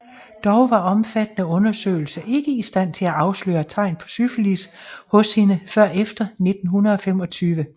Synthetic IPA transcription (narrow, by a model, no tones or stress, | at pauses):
d̥ɒʊʋɑ̈ɒ̽mfæd̥ənəɔ̽nɐsø̰ɪl̩sɐʔe̝ɡ̥əisd̥æn̰t͡sʰe̝læʔɑ̈ʊslø̰ːɐt͡sʰɑ̈ɪ̰npʰɒ̥̽syflishɔ̽shinəfɶɐ̰efd̥ɐne̝d̥n̩ɦunɐð̩ˠɒ̽fem̰ɒ̽t͡sʰyːʋə